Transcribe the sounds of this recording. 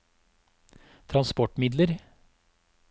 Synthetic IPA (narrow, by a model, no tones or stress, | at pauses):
t̪ʰɾɑnspɔʈmɪd̪ləɾ